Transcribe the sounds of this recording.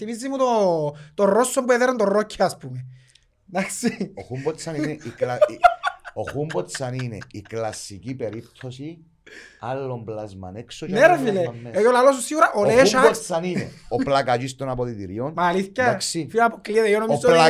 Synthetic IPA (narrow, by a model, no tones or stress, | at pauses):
timizːimut̪ot̪orːosːombueðeɾɐnd̪orocʰːiaspume | d̪aksioxumbosanineika | oxumbot̪saninḛiklasːicipeɾip̚t̪ʰːosi | alːomblazma̰neksoneɾfilemːeejolalos̬usiɣuɾaʔoɾeʃaosaninḛoplakat͡ʃist̪onapoðit̪iɾionmaːliθçɐakssifiapokliðeionomiola